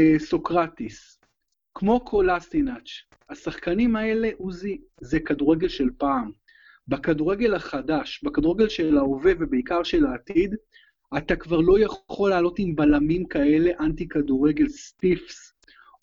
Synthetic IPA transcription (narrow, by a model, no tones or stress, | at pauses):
so̞kʁat̪is | kmo̞kʰolastinat͡ʃ | asaχkanimae̞le̞ʔuzi | zekaduʁe̞ɡe̞lʃe̞lpaːm | bakaduʁe̞ɡe̞laχadaʃbakaduʁeɡe̞lʃe̞laove̞vebeikaʁʃe̞laːtid | atakvaʁlo̞jaχχo̞lːaːlo̞timbalamimkae̞le̞ʔantikaduʁeɡe̞lspifs